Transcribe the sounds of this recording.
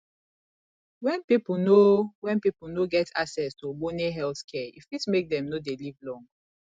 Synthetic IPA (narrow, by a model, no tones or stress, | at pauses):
wɛ̃npipunowɛ̃npipunoɡɛtʰa̰ksɛstoboneɦɛlθkʰɛḭfitmek̚dɛ̃mnodelivlɔ̃ŋ